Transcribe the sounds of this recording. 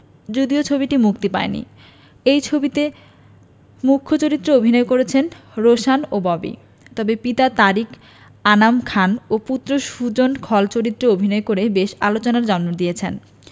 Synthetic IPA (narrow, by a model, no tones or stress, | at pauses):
d͡ʑod̪iot͡ɕʰobiʈimukt̪ipaenḭ | ejt͡ɕʰobit̪e | mukʰːot͡ɕoɾit̪ːɾoobʱinɔekoɾet͡ɕʰen | ɾoʃanobɔbḭ | t̪ɔbepit̪at̪aɾik | anamkʰanoput̪ːɾoʃud͡ʑonkʰɔlt͡ɕoɾit̪ːɾoobʱinɔekoɾebeʃalot͡ɕonaɾd͡ʑɔnmod̪iet͡ɕʰen